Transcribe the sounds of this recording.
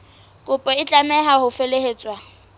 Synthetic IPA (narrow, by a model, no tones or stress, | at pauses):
kʼʊpʼɔɪt͡ɬʼamɛɦahʊfeleɦeːt͡sʼwa